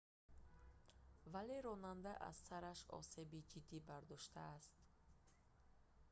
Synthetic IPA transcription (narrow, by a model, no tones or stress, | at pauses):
vale̞ɾɔnand̪aʔa̰zsaɾaʃɔ̰se̞bid͡ʒid̪ːibaɾd̪ɔʃt̪ʰaːst̪